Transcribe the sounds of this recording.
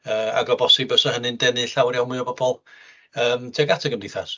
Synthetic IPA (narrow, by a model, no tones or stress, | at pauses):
əːa̰ɡɔbɔsɨbəsəhənɨndɛnɨɬawrjawmɨɔbɔbɔlˠ | əːmtʰɛɡatʰəɡəmndɪθas